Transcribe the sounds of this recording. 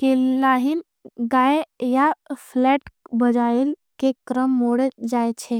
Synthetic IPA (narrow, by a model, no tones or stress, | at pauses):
kelaɦin | ɡaejapʰlɛːʈbəd͡ʒael | kekɾəmːoɽəd͡ʒaet͡ʃʰe